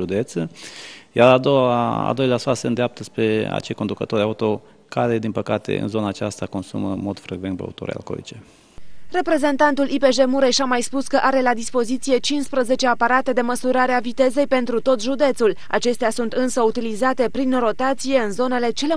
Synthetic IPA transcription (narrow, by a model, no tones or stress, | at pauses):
ʒud̪et̪səjaɾad̪oaa̰ld̪o̞jleasaseɨnd̪eap̚t̪əspɾe̞a̰t͡ʃejko̞nd̪ukət̪o̞ɾʲaut̪o̞ | kaɾe̞d̪inpəkat̪e̞̰ɨ̰nzo̞naːt͡ʃast̪ako̞nsṵməmod̪fɾeɡvent̪pea̰ṵt̪oɾea̰lko̰lḭt͡ʃe | re̞pɾe̞ze̞nt̪ant̪ulʔipe̞ʒe̞muɾe̞ʃamajspuskəʔaɾe̞lad̪ispo̞zit̪sije̞t͡ʃinspɾəze̞t͡ʃe̞apaɾat̪e̞d̪e̞məsuɾaɾeavit̪e̞ze̞jpe̞nt̪ɾut̪o̞t̪ʒud̪e̞t̪sul | a̰t͡ʃe̞st̪easunt̪ɨnsəut̪ilizat̪e̞pɾinro̞t̪at̪sije̞ɨnzo̞ne̞le̞t͡ʃe̞le̞